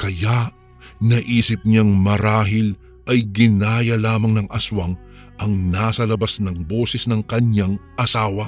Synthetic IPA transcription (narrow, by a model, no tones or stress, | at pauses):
kɐjaʔ | nɐʔiːsɪp̚ɲaŋmɐɾaːɦɪl | ʔɐjɡɪnaːjɐlaːmɐŋnɐŋʔɐswaŋ | ʔɐŋnaːsɐlɐbasnɐŋbo̞ːsɛsnɐŋkɐɲaŋʔɐsaːwɐ